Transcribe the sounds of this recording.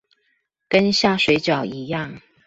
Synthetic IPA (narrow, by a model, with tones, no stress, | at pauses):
kə˦nɕja˥˩ʂwe˧˥ɪt͡ɕjɑ˨˩ʊi˨˥jɑ˥˨ŋ